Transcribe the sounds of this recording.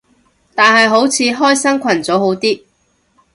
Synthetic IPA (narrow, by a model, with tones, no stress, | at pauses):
t̪aː˨nɦɐ˨jɦo˨˥wt͡sʰiː˨˧ɦɔː˥jsɐ˥ŋkʷʰɐ˨˩nt͡sɔː˨˥who˨˥wt̪iː˥